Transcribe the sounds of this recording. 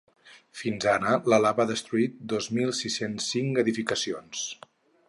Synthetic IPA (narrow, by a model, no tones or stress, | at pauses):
finzanələlaβaðəst̪ɾuit̪̚d̪ozmilˠsisensːiŋkəðifikəsions